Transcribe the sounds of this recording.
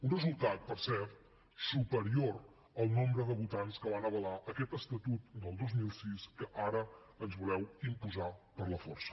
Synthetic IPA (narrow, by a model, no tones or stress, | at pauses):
unrəzulˠt̪at̪̚pəɾsɛrt̪ | supəɾioɾ | əlˠnombɾəðəβut̪anskəβanəβ̞əlaʔəkɛt̪əst̪ət̪ut̪̚d̪əlˠd̪ozmilˠsiskəʔaɾə | ənzβulɛwimpuzapəɾləfɔrsə̥